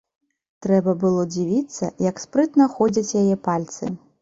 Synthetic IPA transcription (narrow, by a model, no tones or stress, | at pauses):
t̪ɾɛbɐbɨlˠɔd͡zʲivʲit̪sːɐ̰jɐkspɾɨt̪nɐxɔd͡zʲɐt͡sʲjajɛpalʲt̪sɨ̰